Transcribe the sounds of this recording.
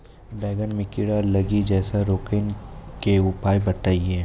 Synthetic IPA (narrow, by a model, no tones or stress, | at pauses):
bɛːɡənmẽkɪɽalɐɡid͡ʒɛːsaɾoːkenkeʊpaːjbɐt̪aːie